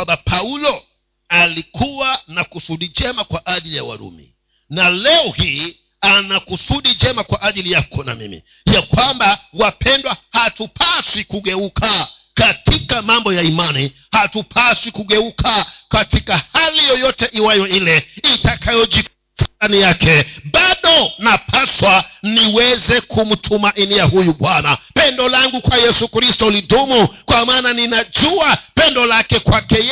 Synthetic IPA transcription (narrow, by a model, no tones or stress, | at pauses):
ambapʰaulɔ | alikʰuwanakusuɗid͡ʒɛmakwaʔaʄilija̰wa̰ɾṵmḭ | nalɛɔhiː | anakusuɗid͡ʒɛmakwaʔaʄilijakɔna̰mḭmḭ | jakwambawapʰɛndwahatupʰasikuɠɛukʰakatikamambɔjaimani | hatupʰasikuɠɛukʰakatikahalijɔjɔtɛʔiwajɔilɛitakʰajɔd͡ʒik | tʰaanijakɛɓaɗɔnapʰaswaniwɛzɛkʰum̩tʰumaʔinijahujuɓwanapɛndɔlaŋɡukwajɛsukɾistɔlidumukwamaːnaninad͡ʒuapɛndɔlakɛkwakɛ